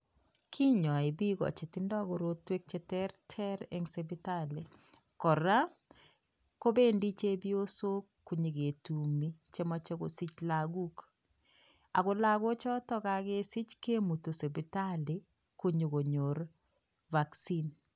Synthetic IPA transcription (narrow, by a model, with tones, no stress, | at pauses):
kʰi˦ɲɔ˨e˨bi˦ɡɔ̰˨t͡ʃe˨tɪ˦ndɔ˦ɡo˨ɾo˦twe˦k̚t͡ʃɛ˦tɛ˦ɾtʰɛ˦ɾḛ˨ŋse˨bɪ˦ta˦le˨ | kɔ˨ɾa˦ | ko˦be˦ndi˦t͡ʃe˦bi˦o˦so˦ | kːu˨ɲi˨ɡe˨tu˨mi˦t͡ʃe˦mɔ˦t͡ʃe˦ɡo̰˨si˦t͡ʃla˨ɡu˦k | a˨ɡo˦la˦ɡo˦t͡ʃɔ˦tɔ˦ka˨ɡe˦si˦t͡ʃke˦mu˨to˨se˨bi˨ta˦le˨ | ku˦ɲi˨ɡo˨ɲo˨ɾ | va˨ksi˦n